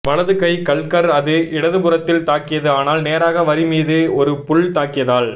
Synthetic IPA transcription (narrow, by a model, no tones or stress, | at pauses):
ʋɐɭɐðɯkɐɪkɐɭkɐɾɐðɯɪɽɐðɯpʊrɐt̪ːɪlt̪aːkɪjɐðɯaːnaːlneːɾaːɣɐʋɐɾɪmiːðɯɔɾɯpʊɭt̪aːkɪjɐðaːɭ